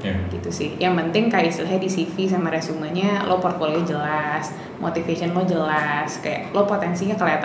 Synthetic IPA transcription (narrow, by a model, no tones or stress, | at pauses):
jɡit̪usɪhjaŋpənt̪ɪŋkajaisilaɦɲadisifis̬amaɾasuŋahɲalʔopɔrt̪̚folood͡ʒəlas | mʔo̰t̪ifesənlod͡ʒəlaskaja̰ʔlopot̪ɛnsiɲakəlaat̪